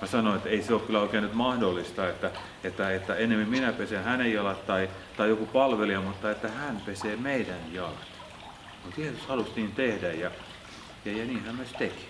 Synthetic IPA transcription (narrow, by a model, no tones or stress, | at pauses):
mɑsɑnoet̪eiseoːˑkkylːæoˑikeːnyt̪mɑhdolːist̪ɑet̪ːæ | et̪ːæet̪ːæenːemːimminæpesenhænejjɑlɑt̪t̪ɑi | t̪ɑijokupɑlʋeliɑmut̪ːɑet̪ːæhænpeseːmeidænjɑlɑt̪ | mut̪jeːsushɑlust̪iːnt̪ehdæjjɑ | jɑjɑniːnhæmmyøst̪eki̥